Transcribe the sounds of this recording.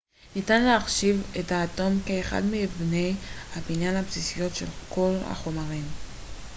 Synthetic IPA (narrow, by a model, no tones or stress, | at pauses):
nitanleaχʃivethaːto̞mkeːχa̰dmebne̞jhabinjanhapsisijo̞tʃe̞̰lkʰo̞lha̰χo̞maʁim